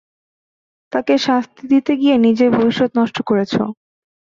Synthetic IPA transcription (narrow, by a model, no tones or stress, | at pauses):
t̪akeʃast̪ʰid̪it̪eɡienid͡ʑeɾbʱobiʃːot̪nɔʃʈokoɾet͡ɕʰo̰